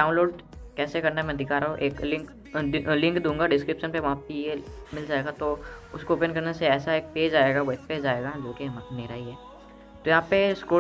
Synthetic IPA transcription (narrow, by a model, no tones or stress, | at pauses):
ɖaːʊ̃nloːɖkɛːsekɐɾnamɛ̃d̪ʱɪkaɾaɦũʔeːklɪ̃ŋk | d̪lɪ̃ŋkd̪ũːŋɡaɖɪskɾɪpʃənpeʋɐɦãpejemɪld͡ʒaːeːɡat̪oʊskoʊpənkɐɾneseɛːsaeːk̚peːd͡ʒaːeːɡaʋɐɦpeːd͡ʒaːeːɡad͡ʒoːkiɦmaneːɾaːiɦɛː | t̪ojɐɦãːpeskoː